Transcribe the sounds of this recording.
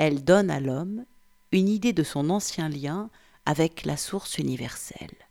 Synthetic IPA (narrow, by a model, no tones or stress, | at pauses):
ɛld̪ɔna̰lɔm | ynid̪ed̪əsɔ̃nɑ̃sjɛ̃ljɛ̃ | avɛklasuʁsynivɛʁsɛ̰l